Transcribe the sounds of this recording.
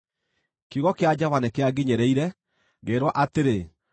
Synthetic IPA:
kiɣɔkead͡ʑaβanɛkeaɡeɲɛɾɛiɾɛ | ɣeːɾwɔʔateɾe

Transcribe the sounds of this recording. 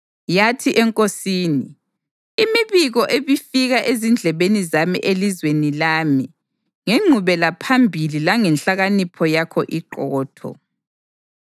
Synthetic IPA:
jatʰiʔɛŋkʼosiːni | imiβiɣɔʔeβifiɣaʔezind͡ɮʱɛβenizamḭʔelizwenilaːmi | ŋeŋ͡ǀʱuβɛlapʰambʱililaŋɛnɬaɣanipʰɔjakʰɔʔiǃɔːtʰɔ̰

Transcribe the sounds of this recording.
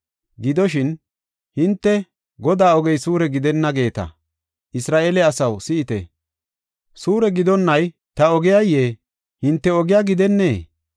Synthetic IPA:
ɡɪd̪ɔʃ̬ɪn | hɪnt̪ːɛ | ɡɔd̪aːɔɡɛjsuːɾɛɡɪd̪ɛnːɐɡe̞ːt̪ɐ̰ | ʔɪsɾaːʔeːlɛɐsɐwsɪɪt̪ɛ̰ | suːɾɛɡɪd̪ɔnːɐj | t̪ɐɔɡɪjajːeː | hɪnt̪ːɛɔɡɪjaːɡɪd̪ɛnːe̞ː

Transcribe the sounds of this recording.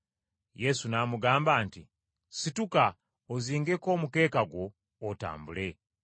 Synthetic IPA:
je̞sunamuɡaːmbaːnti | situka | oziːŋɡeko̞ːmuke̞ːkaɡwo̞ː | ta̰ːmbule̞

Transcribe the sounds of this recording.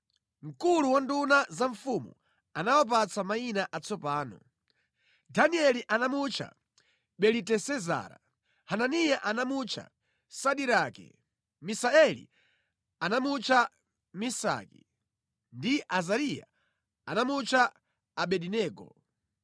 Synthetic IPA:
ŋ̩kuluwandunazaɱfumṵ | anawɔp̬at͡samainaʔat͡sɔpaːnɔ̰ | daniɛliʔanamut͡ʃʰa̰ | ɓɛlitɛsɛza̰ːɾa̰ | hananijaʔanamut͡ʃʰa̰ | saɗiɾakɛ̰ | misaɛlḭ | anamut͡ʃʰa | misa̰kḭ | ndiʔazaɾija̰ | anamut͡ʃʰaː | ɓɛɗinɛːɡɔ̰

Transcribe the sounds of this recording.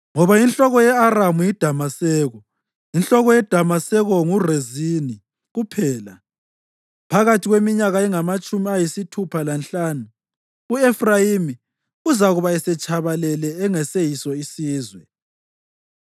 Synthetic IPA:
ŋɔβajinɬʼɔɣɔjɛaramujid̥ʱamasɛːɣɔ | inɬɔɣɔjɛd̥ʱamasɛɣɔŋurezini | ɣupʰɛːla̰ | pʰaɣatʰiɣwemiɲaɣaɛŋamat͡ʃʼumiajisitʰupʰalanɬaːnu | uɛfrajimi | uzaɣuβaɛsɛt͡ʃʰʼaβalɛlɛːŋɛsejisɔisiːzwɛ

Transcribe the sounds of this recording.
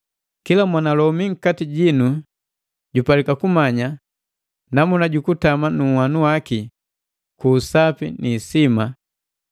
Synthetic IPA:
kilamwanalɔmiŋ̩katiɟinu | ɟupalikakumaɲa | namunaɟukutamanuwanuwaki | kuːsapiniːsima

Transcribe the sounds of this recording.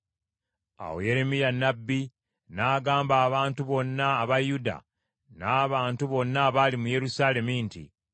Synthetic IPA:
a̰wo̰je̞ɾe̞mijanːabːi | naːɡaːmbaːβaːntuβo̞nːaːβajuda̰ | naːβaːntuβo̞nːaβaːlimuje̞ɾusaːle̞mintḭ

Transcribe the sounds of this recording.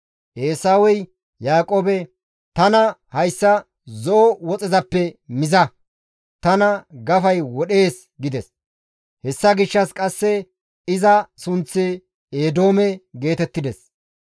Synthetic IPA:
ʔeːsaːwɔj | jaːkʼoːbɛ | t̪ɐnɐhɐjsːɐ | zɔʔɔwɔt͡sʼɪzɐpːɛmɪzɐ | t̪ɐnɐɡɐfɐjwɔɗe̞ːs | ɡɪd̪ɛs | hɛsːɐɡɪʃːɐskʼɐsːɛ | ɪzɐsʊnt͡sːɪ | eːd̪o̞ːmɛɡe̞ːt̪ɛt̪ːɪd̪ɛs

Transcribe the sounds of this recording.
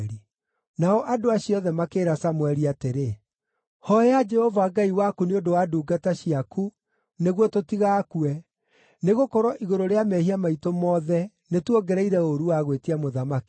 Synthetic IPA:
ɾi | naɔʔadoaɕiɔðɛmakeːɾasamwɛɾiateɾe | hɔjad͡ʒɛhɔvaɡaiwakuneodowaːduːɡataɕiaku | neɣwɔtotiɣaːkuɛ | neɣokɔɾɔʔiɣoɾoɾeamɛhiamaitomɔðɛ | netwɔɡɛɾɛiɾɛoɾuwaɣwetiamoðamaki̥

